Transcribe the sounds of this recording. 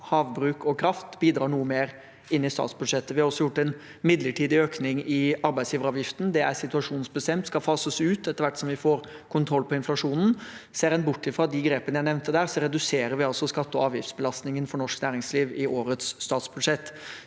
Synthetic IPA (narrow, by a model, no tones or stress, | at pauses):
hɑːʋbɾʉːkɔkʰɾɑft̪biːd̪ɾɑːɳuːəmeːɾ | ɪnːɪst̪ɑ̰ːt̪sbʉd̪ʂɛt̪ːəʋɪhɑɾɔsːɔjʊʈːɛn | mɪd̪ləʈʰiːd̪ɪøːknɪŋɪɑɾbæɪsjiːʋəɾɑːʋjɪft̪n̩d̪ɛæɾsɪt̪ʉɑʂuːnnsbəst̪ɛmt̪skɑfɑːsəsʉːt̪ɛt̪ːəɾʋæʈːsɔmʋɪfoːɾ | kʰʊnt̪ʰɾɔlpʰɔɪnflɑʂuːnn̩seːɾɛnbʊʈːɪfɾɑd̪ɪɡɾeːpənəjæɪnɛʋnt̪əd̪æːɾsɔɾɛd̪ʉseːɾəɾʋɪɑlsɔskɑt̪ːəɔɑːʋjɪft̪sbəlɑst̪nɪŋənfɔɳɔʂknæːɾɪŋsliːʋɪʔoːɾət̪sːt̪ɑːt̪sbʉd̪ʂɛt̪ː